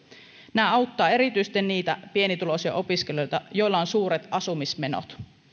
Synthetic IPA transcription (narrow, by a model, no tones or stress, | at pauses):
næːɑwt̪ːɑːe̞ɾit̪yjst̪ːenniːt̪æpie̞nit̪ulo̞siɑ̰ʔo̞piske̞lojt̪ɑjo̞jlːˑɑonsuːɾet̪ɑsumisme̞no̰t̪